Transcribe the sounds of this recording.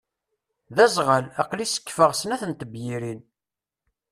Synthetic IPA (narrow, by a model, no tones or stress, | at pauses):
ðæzʁəlæqlisə̥kːfəʁsənæθənt̪əbjiɾin